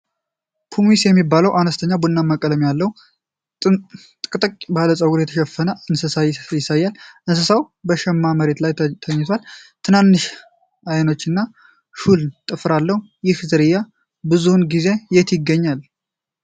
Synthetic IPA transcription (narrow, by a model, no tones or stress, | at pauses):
pʰumisjɛmːibːaləwʔanəst̪ʰəɲːabunːamːakʼələmjalːəw | t̪ʼkʼɨt̪ʼəkʼbaləsʼəwuɾjɛt̪ʰəʃɛfːənəɨnsəsajɪsajːalʔɨnsəsawbəʃɛmːaməɾe̞t̪lajt̪ʰəɲːɪt̪ʰwalt̪ʰɨnanːɨʃ | ajno̞t͡ʃːɨnːa | ʃult̪ʼɨfɾalːəhu | jɪhzɨɾɨjːa | bɨzunɡize̞jɛt̪jɪɡːəɲːal